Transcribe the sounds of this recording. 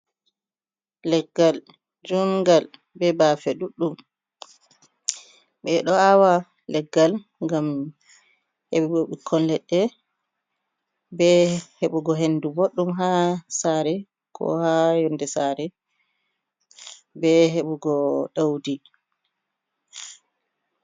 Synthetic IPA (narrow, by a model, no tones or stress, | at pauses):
lɛɡːal | d͡ʒumɡal | bɛbafɛɗuɗːum | ɓɛɗɔawa | lɛɡːal | ŋɡam | heɓibɔɓikʰːɔnlɛɗːɛ | bɛheɓuɡɔɦendubɔɗːumɦasaɾɛ | kʰɔ̰hajɔndɛsaɾɛ | bɛɦeɓuɡɔɗawdi